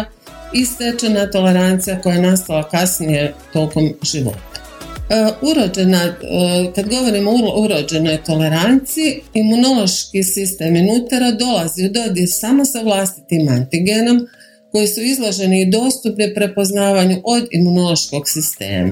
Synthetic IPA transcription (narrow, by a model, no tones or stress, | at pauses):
ise̞t͡ʃanat̪o̞le̞ɾant̪sijako̞jaenast̪alakasnije̞t̪o̞ːko̞mʒiʋo̞̰t̪ḁ | uɾod͡ʒenakad̪ɡo̞ʋo̞ɾimououɾo̞d͡ʒe̞no̞jt̪o̞le̞ɾant̪sijiːmuno̞lˠo̞ʃkisist̪eːminut̪aɾod̪o̞laziud̪o̞d̪jesamo̞saʋlˠast̪i̥t̪imant̪iɡeno̞m | ko̞jisuizlˠoʒe̞niːd̪o̞ːst̪upnipɾepo̞znaːʋaɲuʔo̞d̪imuno̞lˠo̞ʃko̞ɡsist̪e̞̰ːma̰